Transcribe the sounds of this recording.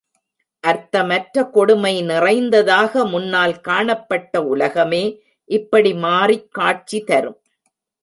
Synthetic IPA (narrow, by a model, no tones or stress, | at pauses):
ʔɐɾt̪ɐmɐʈɾɐkɔɽɯmɐɪnɪrɐɪnd̪ɐðaːɣɐmʊnːaːlkaːɳɐpːɐʈːɐʊlɐɣɐmeː | ʔɪpːɐɽimaːrikːaːʈ̚t͡ʃit̪ɐɾɯm